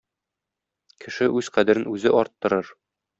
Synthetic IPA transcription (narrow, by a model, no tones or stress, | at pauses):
kʰɘ̆ʃɘʔʉzqæd̪æ̆ɾɘnʉzɘʔɒɾt̪ːɤ̆ɾɤɾ